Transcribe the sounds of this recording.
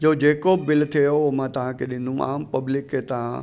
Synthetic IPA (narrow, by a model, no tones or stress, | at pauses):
d͡ʑoːd͡ʑeːkobɪlt̪ʰijomãt̪ɐʋ̤ãkʰeɗɪ̃nd̪ʱũa̰ːmpɐblɪkːet̪ɐʋ̤ã